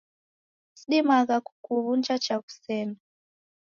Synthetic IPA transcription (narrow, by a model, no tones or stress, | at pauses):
siɗimakaku̥kuβunt͡ʃat͡ʃaku̥sɛːna